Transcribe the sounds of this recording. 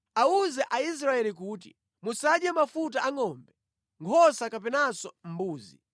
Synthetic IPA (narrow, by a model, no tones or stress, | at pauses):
auzɛʔais̬ɾaɛlikuːtḭ | musaɗjamafut̬aʔaŋɔmbɛ | ŋkʰɔsakapɛnasɔm̩buːzi